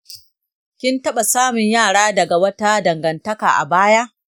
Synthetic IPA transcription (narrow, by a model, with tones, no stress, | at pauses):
kʲɪ˦ntɐ˦ɓa˨saː˦mɪ˨ɲjaː˦˨ɽaː˦dɐ˨ɡa˨wɐ˦ta˦dɐ˨ŋɡɐ˨ntɐ˦kaː˨ʔa̰˨baː˦ja˦ʔ